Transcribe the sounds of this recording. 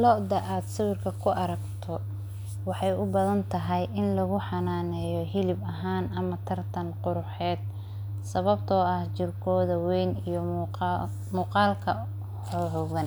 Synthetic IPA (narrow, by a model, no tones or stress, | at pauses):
lɔʔd̪ɐʔaːd̪sɪwɪrkʰɐkʰʊʔɐɾɐɡt̪ʰɔ | wɑħɑjʊbɐðɐnt̪ʰɐɦɛjʔɪnlɐɣʊħɑnaːnɛːjɔɦɪlɪbɐɦaːnɐmɐt̪ʰɐrt̪ʰɐnqʊɾʊħɛːd̪̚ | sɐβɐb̚t̪ʰɔɐht͡ʃɪrkʰɔːðɐwɛjnijɔ | muːqɑːlkʰɐ | ħɔːhɔːɣɐn